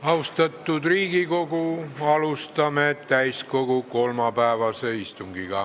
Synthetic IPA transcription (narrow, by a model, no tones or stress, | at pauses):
ɑust̪ɑt̪ːud̪riːɡikokuɑlust̪ɑmeet̪t̪æiskokukolmɑpæˑeʋɑseist̪uŋɡ̥iɡɑ